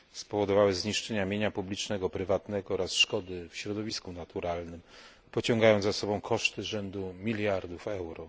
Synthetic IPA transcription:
spɔvɔd̪ɔvawɘzɲiʂt͡ʂɛɲamʲjeɲapublʲit͡ʂnɛɡɔpɾɘvat̪nɛɡɔɔɾasʂkɔd̪ɘfɕɾɔd̪ɔvʲiskunat̪uɾalnɘm | pɔt͡ɕɔ̃ŋɡajɔnzasɔbɔ̃w̃kʰɔʂt̪ɘʐɛnd̪umʲilʲjaɾd̪ufɛwɾɔ

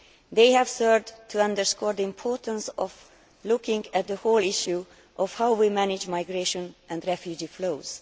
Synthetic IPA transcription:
d̪eɪhɛv̥sɜɹvdt̪ʰuʌ̃nd̪əɹskɔːɹd̪əĩmpʰɔɹtə̃nsɔv | lukɪ̃ŋɡɛt̪̚d̪əholɪʃju | ʔɔfhawwimænɪd͡ʒmajɡɹeʃɔ̃nʔɛ̃nd̪ɹɛfjud͡ʒifloːz̥

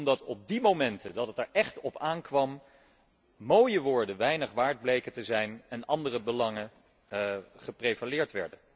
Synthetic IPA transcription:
mdɑtɔb̚dimowmɛntədɑtətɛɹʔɛχtɔpaːnkʋɑm | mowjəʋʊːɹdəʋɛjnəχʋaːɹd̚blejkətəzɛjnɛnɑndərəbəlɑŋə | χəprejvalɪːɹtʋɛ̰ɹdə

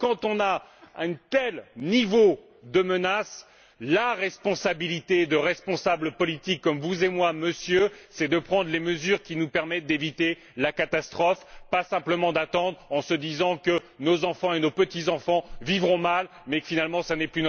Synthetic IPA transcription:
kɑ̃t̪ɔ̃naɛ̃nt̪ɛlnivo | d̪əmənas | laʁɛspɔ̃sabilit̪ed̪əʁɛspɔ̃sabləpɔlit̪ikːɔmvuzemwaməsjøsɛd̪əpχɑ̃d̪ʁleməzyʁkʲinupɛʁmɛt̪̚d̪evit̪e | lakat̪ast̪χɔfpasɛ̃pləmɑ̃d̪at̪ɑ̃d̪ʁɑ̃səd̪izɑ̃kə | nozɑ̃fɑ̃enopət̪izɑ̃fɑ̃vivʁɔ̃mal | mɛfinalmɑ̃sanɛply

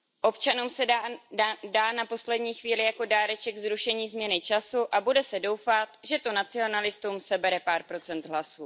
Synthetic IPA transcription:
ʔo̞pt͡ʃanuːmsɛ | daːnapo̞slɛdɲiːxviːlɪjako̞daːɾɛt͡ʃɛɡzɾuʃɛɲiːzmɲɛnɪt͡ʃasuʔabudɛsɛdo̞wfat̪ʒɛt̪onat͡sɪo̞nalɪst̪umsɛbɛɾɛpaːɾpɾo̞t͡sɛnt̪ɦlasuː

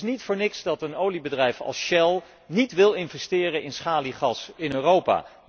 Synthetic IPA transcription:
snitfʊːɹnɪksdɑtənowlibədrɛjfɑ̰lˠsʃɛlˠ | nitʋɪlˠɪnvɛstɪːrəɪnsχaːliχɑsɪnøːrowpa̰ː

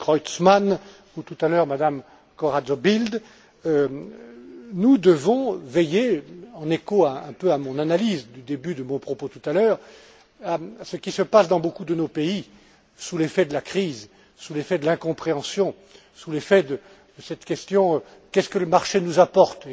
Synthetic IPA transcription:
kʁɔjt̪sman | ut̪ut̪alœʁmad̪am | kɔʁazobild̪ | ø | nud̪əvɔ̃vejeɑ̃nekoaɛ̃pøamɔ̃nanalizd̪yd̪ebyd̪əmɔ̃pχɔpot̪ut̪alœːʁ | aasəkʲisəpasd̪ɑ̃bokud̪ənopei | sulefɛd̪əlakχiz | sulefɛd̪əlɛ̃kɔ̃pχeɑ̃sjɔ̃ | sulefɛd̪ə | d̪əsɛt̪kʲɛst̪jɔ̃ | kʲɛskələmaʁʃenuzapɔʁt̪

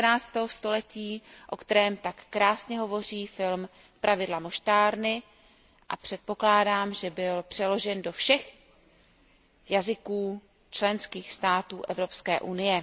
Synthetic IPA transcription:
naːt͡st̪ɛːɦost̪o̞lɛciːʔo̞kt̪ɛɾɛːmt̪akːɾaːsɲɛɦovo̞r̝iːfɪlm | pɾʔavɪdlamoʃt̪aːɾnɪ | ʔa̰pr̝̥ɛt̪̚po̞klaːdaːmʒɛbɪlpr̝̥ɛlo̞ʒɛndo̞fʃɛx | jazɪkuː | t͡ʃlɛnskiːxst̪aːt̪uːʔɛvɾo̞pskɛːʔunɪjɛ

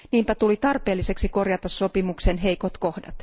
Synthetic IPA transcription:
niːmpæt̪ulit̪ɑrpe̞ːlːise̞ksiko̞rjɑt̪ɑsːo̞pimuksenɦe̞jkot̪kohdɑ̰t̪

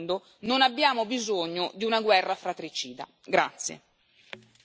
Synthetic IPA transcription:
nd̪o | nonabːjaːmobizoɲːod̪iunaɡwɛrːafɾat̪ːɾit͡ʃiːd̪a̰ | ɡɾa̰t̪sːjḛ

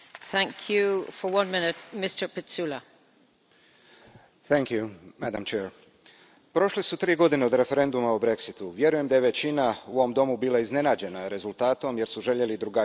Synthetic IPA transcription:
θæ̃ŋkʰjufə˞wʌ̃nmɪ̃nɪt̚mɪstə˞pʰɪtsulˠə | θæŋkjumæd̪amt͡ʃeːɾ | pɾo̞ʃlisut̪ɾiːɡo̞d̪ineo̞d̪ɾe̞fe̞ɾe̞nd̪umaubɾe̞ksit̪uʋje̞ɾuje̞md̪aje̞ʋe̞t͡ɕinauoʋomd̪o̞mubiːlˠaizne̞naːd͡ʑe̞naɾe̞zult̪aːt̪o̞mje̞ɾsuʒe̞ʎe̞lid̪ɾuɡa

